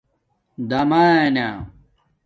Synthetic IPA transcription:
d̪ɐmaena

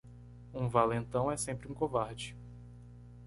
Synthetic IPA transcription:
ũvalẽnt̪ɐ̃w̃ɛsẽmpɾɪũkovaɾd͡ʒɪ

